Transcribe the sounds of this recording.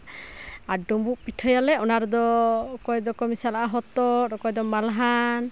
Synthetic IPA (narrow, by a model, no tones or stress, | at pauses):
aɾɖumbuʔpiʈʰɔjalɛɔnaɾud̪ɔkɔjɛd̪ɔkɔmisalaʔaɦɔt̪ɔɾɔkɔjd̪ɔmalɦan